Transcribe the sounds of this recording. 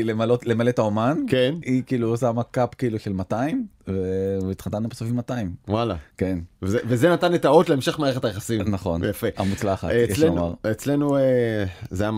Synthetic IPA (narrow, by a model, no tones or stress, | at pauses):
ilemalot̪le̞malet̪aomankenikiːlusaamakapkiiːluʃe̞lmataim | veit̪χat̪anːubesofimat̪aimwalake̞nvezevezenat̪anet̪aot̪leemʃeχmeaːeχetajeχasimnaχo̞̰njafea̰mut͡slaχa̰tejelema̰ʁet͡slenuezea